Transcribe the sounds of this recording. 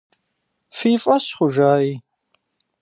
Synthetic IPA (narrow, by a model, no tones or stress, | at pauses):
fiːfʼɐɕχʷʊʒaːi